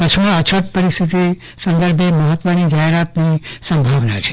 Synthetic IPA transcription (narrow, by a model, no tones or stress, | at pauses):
pət͡ʃʰiət͡ʃʰəʈ̚pəɾist̪ʰit̪i | sə̃nd̪əɾbʱeməɦət̪ʋənid͡ʒaɦeɾat̪nisə̃mbʱaʋnat͡ʃʰe̥